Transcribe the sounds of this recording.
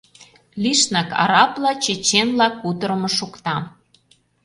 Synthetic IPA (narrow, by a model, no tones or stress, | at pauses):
liʃnɑkɑ̰ɾɑplɑt͡ɕet͡ɕenlɑkːut̪ə̆ɾə̆mɤ̆ʃukt̪ɑ